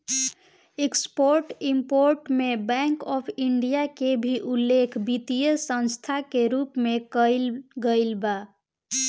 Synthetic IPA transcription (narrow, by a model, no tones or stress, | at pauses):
ekspoɾʈimpoɾʈmebɛ̃ŋkɔpʰiɳɖijakebʱiʔulːekʰbit̪ijəsə̃nst̪ʰakeɾupmekəɪlɡəɪlba